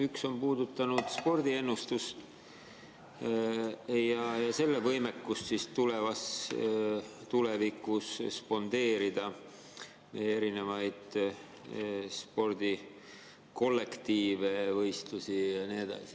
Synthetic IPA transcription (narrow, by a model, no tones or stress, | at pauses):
ykso̞mpuːd̪ut̪ːˑɑnud̪̥spo̞rd̪̥ie̞nːust̪ust̪ | jɑjɑse̞lːevɤjme̞kːust̪sist̪ule̞vɑs | t̪ule̞vikːˑusspo̞nd̪̥e̞ːɾid̪̥ɑ | mejee̞ɾine̞vɑjd̪̥ | spo̞rd̪̥i | ko̞lːe̞kt̪iːve̞vɤjst̪lusijɑnied̪̥ɑ̰si̥